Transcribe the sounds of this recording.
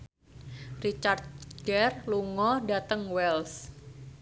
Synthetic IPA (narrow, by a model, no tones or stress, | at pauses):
rit͡ʃart̪̚ɡɛrluŋɔdat̪əŋwɛls